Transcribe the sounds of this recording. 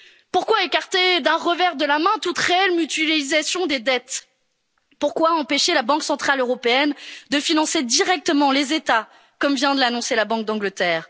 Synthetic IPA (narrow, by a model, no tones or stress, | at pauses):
puʁkwaekaʁt̪ed̪ɛ̃ʁəvɛʁd̪əlamɛ̃t̪ut̪χeɛlmyt̪ɥeizasjɔ̃d̪ed̪ɛt̪ | puʁkwaɑ̃peʃelabɑ̃ksɑ̃t̪χaløʁɔpeɛnd̪əfinɑ̃sed̪iʁɛk̚t̪əmɑ̃lezet̪a | kɔmvjɛ̃d̪əlanɔ̃selabɑ̃k̚d̪ɑ̃ɡlət̪ɛːʁ